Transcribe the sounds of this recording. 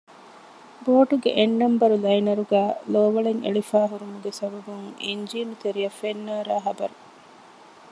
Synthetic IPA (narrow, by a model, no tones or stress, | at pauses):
boːʈuɡḛʔenːɐmbɐɾulɐjnɐɾuɡæːloːʋɐɭeŋḛɭifæːɦuɾumuɡesɐbɐbuŋiɲd͡ʒiːnut̪eɾiɐfːenːaːɾaːɦɐbɐɾu